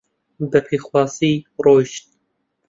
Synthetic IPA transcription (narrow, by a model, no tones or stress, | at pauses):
bɛpʰiːxwɑːsiːroːʃt̪̚